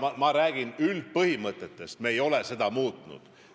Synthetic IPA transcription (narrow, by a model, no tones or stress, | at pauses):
mɑɾæːɡ̥inyld̪̚pɤhimɤt̪ːˑet̪ːˑe̞st̪meːjo̞lese̞d̪ɑmuːt̪ˑnṵd̪̥